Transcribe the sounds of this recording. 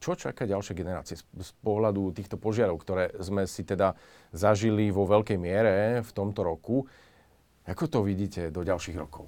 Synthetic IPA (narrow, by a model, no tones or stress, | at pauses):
t͡ʃɔt͡ʃa̰kaːɟalʃɪɛɡɛnɛɾa̰ːt͡siɛspɔɦlad̪ut̪iːxt̪ɔpɔʒɪaɾɔʊkt̪ɔɾɛːzmɛsit̪ɛd̪a | zaʒiliʋɔʋɛlkɛjmɪɛɾɛft̪ɔmt̪ɔɾɔku | akɔt̪ɔʋiɟiːcɛd̪ɔɟalʃiːɣɾɔkɔʊ